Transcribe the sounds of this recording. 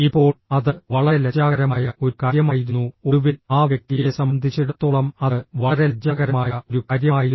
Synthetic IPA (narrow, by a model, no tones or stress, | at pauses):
ipːo̞ːɭɐðɨʋɐɭɐlɐd͡ʑaːɣɐɾɐmaːjɐo̞ɾukaːɾjɐmaːjiɾunːuo̞ɽuʋilaːʋjɐk̚t̪ijesɐmɐnd̪ʱit͡ɕːiɽɐt̪ːuɭɐmɐðʋɐɭɐɾe̞d͡ʑaːɣɐɾɐmaːjɐo̞ɾukaːɾjɐaːji